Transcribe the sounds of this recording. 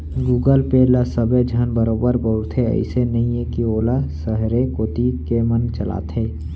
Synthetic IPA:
ɡuːɡəlpelasəbed͡ʒʱənbəɾoːbəɾbəʊɾt̪ʰɦeə̰ɪsenɐɦĩekioːlasəɦɾekoːt̪ikemənt͡ʃəla̰ːt̪ʰɦeː

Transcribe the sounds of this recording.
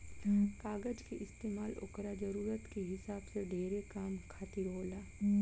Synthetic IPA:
kaːɡəd͡ʒkiʔɪst̪eːmaːlʊ̰ːkɾad͡ʒɐɾuːɾət̪keɦɪsaːbseɖʱeːɾekaːmkʰaːt̪ɪɾɦoːlaː

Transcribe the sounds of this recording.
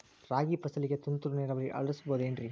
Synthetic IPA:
ɾaːɡipɐsɐliɡet̪unt̪uɾuneːɾɐʋɐɾiʔɐ̰ɭɐsɯ̥boːðendɾi

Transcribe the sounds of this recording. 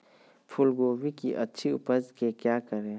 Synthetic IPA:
pʰʊlɡoːʋikiʔɐtːʃʰiʊ̰pəzkekjaːkəɾẽ

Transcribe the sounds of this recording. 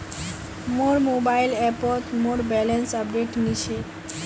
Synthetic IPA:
moɽmobailepɔt̪moɽbɛlənsəp̚ɖeʈnit͡ʃʰe

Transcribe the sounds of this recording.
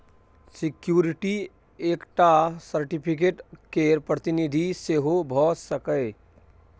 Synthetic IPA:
sikjuɾiʈi | ekʈasəɾʈipʰik̬eʈkeɾpɾət̪inid̪ʱiseɦobʱɔsəkəɪ

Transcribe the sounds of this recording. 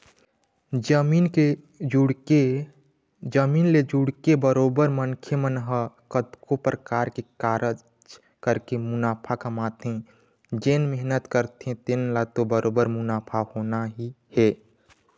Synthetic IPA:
mine | d͡ʒuɽe | d͡ʒəmiːnled͡ʒuɽkebəɾoːbəɾmənkʰjəmənɦəkət̪kopɾəkaːɾkekaːɾə | t͡ʃ | kəɾkemʊnaːpʰakəmaːt̪ẽ | d͡ʒenmɪɦnət̪kəɾt̪ẽt̪enlat̪obəɾoːbəɾmʊnaːpʰahonaɦi | hɛː

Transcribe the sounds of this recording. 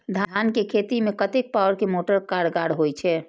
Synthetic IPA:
d̪ʱankekʰet̪imekət̪ek̚pawəɾkemoʈəɾkaɽɡaɽɦojt͡ʃʰɛ

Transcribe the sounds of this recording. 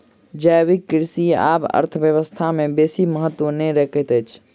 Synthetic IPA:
d͡ʒəjwikːɪɾsia̰ːpə̰ɾt̪ʰəʋjəʋəst̪ʰamẽbeːsiməɦət̪ːwõneɾɛkʰət̪et͡ʃʰ

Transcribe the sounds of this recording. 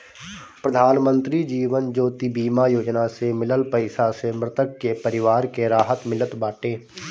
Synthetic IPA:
pɾəd̪ʱaːnmə̃nt̪ɾid͡ʒiːʋənd͡ʒoːt̪ibiːmajoːd͡ʒnasemɪləlpəɪsasemɾɪt̪əkːepəɾɪʋaːɾkeɾaːɦət̪mɪlət̪baːʈẽː

